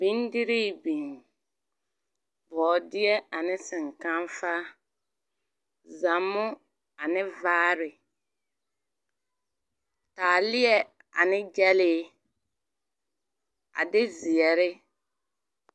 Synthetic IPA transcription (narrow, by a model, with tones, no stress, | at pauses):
bi˦ndi˦ɾi˦bi˨ŋ˨ | bɔː˨dɪ˦ɛ˦a˨nɪ˦sɪ˨ŋka˦nfa˦ | zã˨mːʊ˦ | a˨nɪ˦vaː˦ɾɪ˨ | taː˨lɪ˦ɛ˨ | a̰˨nɪ˦d͡ʒɛ˦lɪ˦ | a̰˨dɪ˦zɪ˨ɛ˨ɾɪ˦